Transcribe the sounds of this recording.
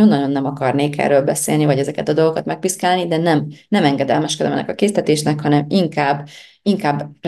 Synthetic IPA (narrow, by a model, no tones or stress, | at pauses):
onːɒɟo̞nːɛmɒkɒrneːkɛ̰rːøːlbɛsḛːlnivɒɟɛzɛkɛt̪ɒd̪o̞lɡokɒt̪mɛk̚piskaːlnid̪ɛnɛmnɛmɛŋɡɛd̪ɛlmɛʃkɛd̪ɛ̰mɛnːɛ̰kɒkeːst̪ɛt̪eːʃnɛkhɒnɛmiŋkaːbː | iŋkaːbː